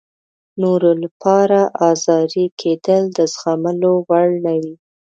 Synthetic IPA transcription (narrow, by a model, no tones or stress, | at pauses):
noɾolapʰɑɾaʔɑzɑɾikʰed̪əld̪əzɣaməlowaɭnawi